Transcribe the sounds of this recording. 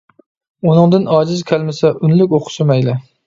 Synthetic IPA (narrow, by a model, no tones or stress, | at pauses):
unɨŋd̪ɨnɑːd͡ʒɪzkʲʰælmɪsɛʔʊnlɪkʲoqʰʊ̥ʃɪmɛjlɪ